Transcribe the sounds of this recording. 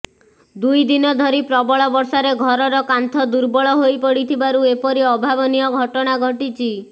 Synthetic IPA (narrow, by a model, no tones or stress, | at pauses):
d̪ujd̪inɔd̪ʱɔɾipɾɔbɔɭɔbɔɾsaɾeɡʱɔɾɔɾɔkant̪ʰɔd̪uɾbɔɭɔɦojpɔɽit̪ʰibaɾuepɔɾiɔbʱabɔnijɔɡʱɔʈɔɽ̃aɡʱɔʈit͡ʃʰi